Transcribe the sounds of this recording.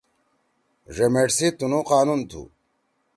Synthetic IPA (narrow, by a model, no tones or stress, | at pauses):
ʐemeʈsit̪unuqaːnunt̪ʰṵ